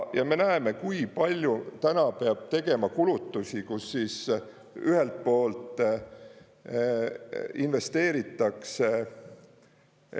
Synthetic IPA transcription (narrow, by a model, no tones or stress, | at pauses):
jɑme̞næeme̞kujpɑlʲjut̪ænɑpe̞ɑb̥̚t̪e̞ɡ̥e̞mɑkulut̪ːˑusikusːiːs | yhe̞lt̪̚po̞ːlt̪ˑ | inve̞st̪e̞ːɾit̪ːˑɑkse